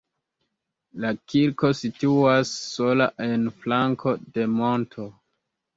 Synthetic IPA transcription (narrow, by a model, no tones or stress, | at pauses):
lakiɾko̞situasːo̞la̰ʔe̞nflaŋkʰo̞de̞mo̞ntʰo̞